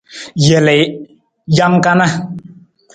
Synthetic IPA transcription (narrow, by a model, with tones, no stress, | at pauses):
jɛ˨lɛ˨j | ja˦ŋka˦na˦